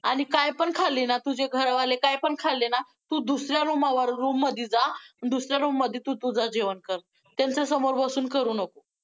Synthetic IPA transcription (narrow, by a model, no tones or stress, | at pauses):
aɽ̃ikajpəɳkʰalːinat̪ud͡ʑeɡʱəɾaʋalekajpəɳkʰalːena | t̪uːd̪usɾjaɾumaʋaɾːumːəd̪ʱiːd͡zaənd̪usɾjaɾumːəd̪ʱːit̪ut̪ud͡zad͡ʑeʋənkəɾ | t̪ant͡sasəmoɾbəsuːnkəɾuːnəko